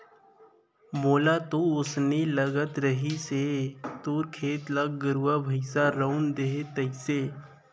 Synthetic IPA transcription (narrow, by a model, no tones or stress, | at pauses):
moːlat̪oʊsneləɡət̪ɾəɦiset̪oːɾkʰeːt̪ləɡɡəɾuabʱəɪsaɾəʊnd̪eɦet̪ɐɪseː